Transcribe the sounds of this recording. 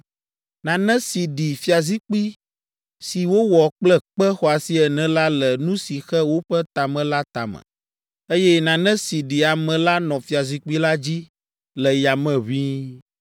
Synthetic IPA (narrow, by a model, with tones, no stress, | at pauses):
nã˨nɛ̃˦si˨ɖi˨fi˨˦a˨zi˦k͡pi˦ | si˨wo˦wɔ˨k͡plɛ˦k͡pɛ˦xɔ˦a˨si˦ɛ˨nɛ̃˨la˦lɛ˨nũ˦si˨xɛ˦wo˦ɸɛ˦t̪a˨mɛ̃˨la˦t̪a̰˨mɛ̰̃˨ | e˦jɛ˦nã˨nɛ̃˦si˨ɖi˨a˨mɛ̃˨la˦nɔ̃˨fi˨˦a˨zi˦k͡pi˦la˦d͡ʑi˦ | lɛ˨ja˨mɛ̃˨βi˦